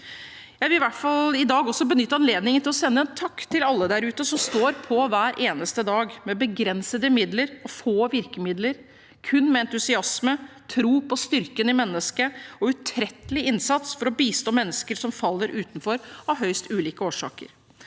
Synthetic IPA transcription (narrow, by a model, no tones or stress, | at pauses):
jæɪʋɪlʋæʈfɑlɪd̪ɑːɡɔsːɔbənʏt̪ːəɑnleːd̪nɪŋənɪlɔsɛnːəɛnt̪ʰɑkːt̪ʰɪlɑlːəd̪æɾʉːt̪əsɔmst̪oːɾpʰɔʋæːɾʔeːnəst̪əd̪ɑːɡmɛbəɡɾɛnsəd̪əmɪd̪ləɾɔfoːʋɪɾkəmɪd̪ləɾ | kʰʉnːmɛɛnt̪ʉsɪɑsmə | t̪ʰɾuːpʰɔst̪ʏɾkənɪmɛnːəskəɔʉt̪ʰɾɛt̪ːəlɪɪnsɑt̪sfɔɾɔbiːst̪oːmɛnːəskəɾʂɔmfɑlːəɾʔʉːt̪n̩fɔɾɑʋɦœʏst̪ʉːliːkəoːʂɑ̰ːkə̰ɾ